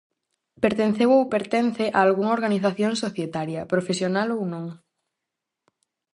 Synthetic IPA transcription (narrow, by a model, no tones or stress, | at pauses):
peɾt̪ẽn̟θewowpeɾt̪en̟θeʔaːlɣuŋoɾɣaniθaθjõŋsoθjet̪aɾjɐpɾofesjonalownõŋ